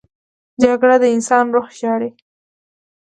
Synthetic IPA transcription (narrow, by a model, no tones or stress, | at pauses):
d͡ʒaɡɽad̪əɪnsɑnɾoxʃɑɽe